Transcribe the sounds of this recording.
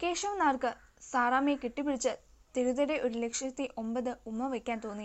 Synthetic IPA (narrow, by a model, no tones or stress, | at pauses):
keːʂɐmnaːrkɨ | saːraːmekiʈːipːiɽit͡ɕːɨ | t̪eɾuðɐɾe̞ʔo̞ɾulekʂjɐt̪ːiʔo̞mbɐðɨumːɐʋekʲːaːnt̪o̞ːnːi